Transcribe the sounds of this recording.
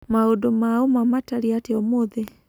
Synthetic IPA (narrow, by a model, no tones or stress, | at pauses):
maodomaomamataɾiateɔmoðe